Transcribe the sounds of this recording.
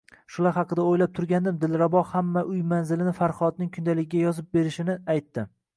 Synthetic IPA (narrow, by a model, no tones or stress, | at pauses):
ʃʊlaɾhɑqʰɨd̪aojlap̚t̪ʰʊɾɡʲand̪ɪmd̪ɪlɾabɒhamːaʔʊjmanzɪlɪnɪfaɾχɒt̪̚nɪŋkʲʰʊnd̪alɪɡʲɪɡʲajɒzɪp̚be̞ɾɪʃɪnɪajt̪ːɪ